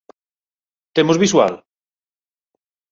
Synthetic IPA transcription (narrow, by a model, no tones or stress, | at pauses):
t̪emozβiswa̰l